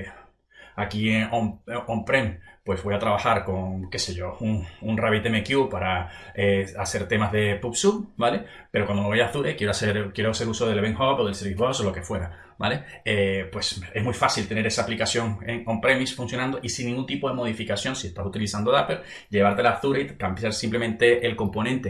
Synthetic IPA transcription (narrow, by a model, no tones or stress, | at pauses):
akieomompɾempwe̞zβo̞jat̪ɾaβaxaɾko̞ŋke̞se̞ʝo̞uŋunraβit̪emekjupaɾaease̞ɾt̪e̞mazðe̞pupsubale̞ | pe̞ɾokwand̪ooβejaθuɾekje̞ɾoaseɾkje̞ɾose̞ɾusoðe̞lβe̞ŋhopoðelseɾβiβosolo̞ke̞fwe̞ɾa | ba̰le̞ | epwe̞se̞zmujfasilt̪e̞ne̞ɾe̞saːplikasjo̞ŋeŋompɾemisfunsjo̞nãnd̪oʔisĩnːĩŋɡunt̪ipoðe̞mo̞ðifikasjo̞nsie̞st̪asut̪ilisand̪oapel | ɟ͡ʝe̞βaɾt̪elaθuɾeit̪ampisaɾsimple̞mẽnt̪e̞ʔelko̞mpo̞nẽnt̪e̞